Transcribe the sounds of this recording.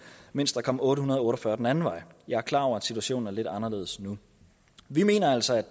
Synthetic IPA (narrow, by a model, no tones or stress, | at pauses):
men̰sd̥ɑ̈kʰɒ̽mɔ̽ːɾəhunɐð̞ˠɔ̽ːɾɒfɶɐd̥enænn̩ʋɑ̈ɪjɑ̈ɪæɐkʰlɑ̈ːɒ̰ʊ̰ɐæd̥sit͡sʰuæɕo̰ːn̩æɐle̝d̥ɑ̈nɐle̝ːðˠəsnu | ʋime̝̰ːnɐæl̰sɒæd̥